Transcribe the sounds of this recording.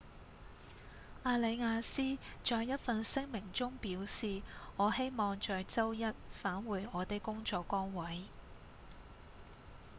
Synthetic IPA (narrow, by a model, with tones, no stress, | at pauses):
aː˧le˨˧jŋaː˧siː˥t͡ʃɔː˧jɐ˥t̚fɐ˧nsɪ˥ŋmɪ˨˩ŋt͡sʊ˥ŋpiː˨˥wsiː˨ŋɔː˨˧he˥jmɔː˨˧ŋt͡ʃɔː˨jt͡sɐ˥wjɐ˥t̚faː˨˥nwuː˨˧jɔː˨˧t̪e˨kʊ˥ŋt͡sɔː˨˧kːɔː˥ŋwɐ˨˥j